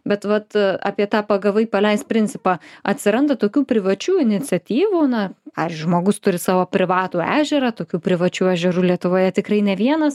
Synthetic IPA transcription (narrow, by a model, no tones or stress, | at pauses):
bʲɛt̪ʋɐt̪ɑ̰ːpʲiɛt̪ɑːpɐɡɐʋɐɪpɐlʲɛɪst̪̚pʲɾʲɪnʲt͡sʲɪpɑːɐt̪ʲsʲɪɾɐnd̪ɐt̪oːkʲuːpʲɾʲɪʋɐt͡ʃʲuːɪnʲɪt͡s̪ʲɛt̪ʲiːʋuːnɐpɑːʋʲɪzʲd͡ʒʲʊʒmoːɡʊst̪ʊɾʲɪsɑːʋoːpʲɾʲɪʋɑːt̪uːæ̰ːʒʲɛɾɐt̪oːkʲuːpʲɾʲɪʋɐt͡ʃʲuːɛʒʲɛɾuːlʲiɛt̪ʊʋoːjɛt̪ʲɪkrɐɪnʲɛʋʲiɛnɐs